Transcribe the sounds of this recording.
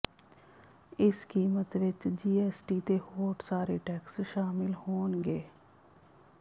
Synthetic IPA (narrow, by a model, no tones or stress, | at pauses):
ɪskiːmət̪ʋɪt͡ʃd͡ʒiːɛːsʈiːt̪eːhoːʈsaːɾeːʈɛːksʃaːmɪlhoːnɡeː